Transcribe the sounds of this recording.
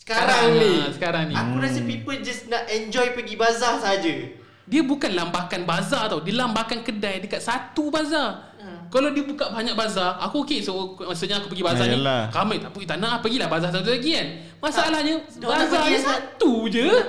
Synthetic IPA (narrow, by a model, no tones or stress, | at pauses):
sə̥kaɾaŋsəkaɾaŋniakuɾasəpipəld͡ʒasnaʔɛnd͡ʒɔjpəɡibazasaɦad͡ʒa | diəbukanlambakanbazaat̪awdilambahkankədajdəkat̪̚sat̪ubazar | kalawdiəbukaʔbaɲak̚bazarakuokesmasuʔɲaakupəɡibazanĩkaməjt̪apuit̪anãʔapəɡilahbazas̬at̪̬ulaɡikan | masaalahɲa | bazasat̪ud͡ʒə